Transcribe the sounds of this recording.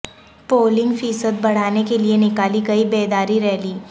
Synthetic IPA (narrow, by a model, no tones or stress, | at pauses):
poːlɪ̃ŋɡfiːsəd̪̚bɐɽ̤aːnekelienɪkaːlikɐibeːd̪aːɾiɾɛɦliː